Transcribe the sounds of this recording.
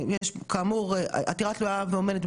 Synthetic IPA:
jɛʃkamuʁʔa̰tiʁatlujaveomedet

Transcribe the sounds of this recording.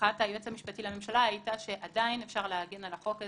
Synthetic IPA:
atajot͡shamiʃpatilame̞mʃalaajitaʃe̞ʔadainefʃaʁleaɡenalaχo̞ke

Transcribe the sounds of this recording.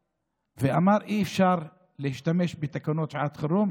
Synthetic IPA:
veamaɾʔiːfʃaɾ | lehiʃt̪ameʃbet̪akanot̪ʃʕat̪χaɾum

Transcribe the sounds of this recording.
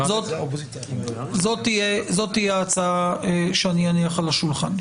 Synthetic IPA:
zot̪ | zot̪ːijezo̞t̪ːijeaːt͡saaʃeanianiaχalaʃulχan

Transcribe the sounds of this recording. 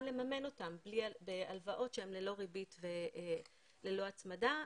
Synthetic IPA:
le̞mame̞no̞tamblibealvaʔo̞tʃeemlelo̞ʁibitve | lelo̞at͡smada

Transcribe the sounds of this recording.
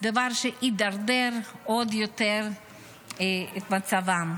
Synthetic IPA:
d̪avaɾʃɛʔid̪aɾdɛɾodjot̪ɛɾ | ɛt̪mat͡savam

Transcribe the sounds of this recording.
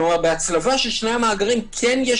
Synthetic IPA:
uabeat͡slavaʃelʃnejamaːɡaʁimkʰɛnjɛ

